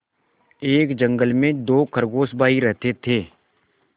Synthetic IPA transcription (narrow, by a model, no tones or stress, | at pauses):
eːkd͡ʒə̃ŋɡəlmẽd̪oːkəɾɡoːsbaːiɾɛɦt̪et̪ʰeː